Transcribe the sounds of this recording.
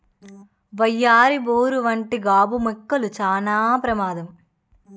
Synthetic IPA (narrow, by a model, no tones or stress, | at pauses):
ʋɐjːaːɾiboːɾuʋɐɳʈiɡaːbumekːɐlut͡ʃaːnaːpɾɐmaːd̪ɐm